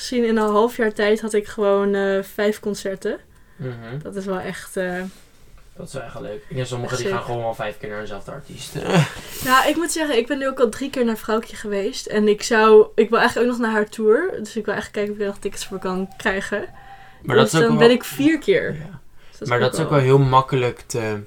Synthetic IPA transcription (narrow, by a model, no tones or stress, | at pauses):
sinɪnənɦɑlˠfjaːɹtɛjtɦɑtɪkχəʋownəfɛjfkɔnsɛɹtə | d̥ɑtɪsʋɛlˠɛχtə | d̥ɔtɪ̥sɛɛ̰løɥkɪnɛnsɔməχədiaːnχəʋownɛlˠvɛjfkɪːɹnaːəzɛlˠvdəɑ̰ɹtistnaʔɪkmutsɛχənɪɡ̚bɛnːyowkɑlˠdrikɪːɹnaːɹfrawkjəχəʋejstɛnɪksɑwɪkʋɪlˠɛjχələkoːknɔχnaːɹɦaːɹtʰuːɹdɵsɪkʋɪlˠɛ̰jχələkːɛjkənɔfɪkɛnɔχtɪkətsfʊːɹkɑnkrɛjχə | madøssdɔnbɛnɪkfiːɹkɪːɹjdmaːɹdɔtɪ̥sowkʋɛlˠɦɪlˠmɑkələktə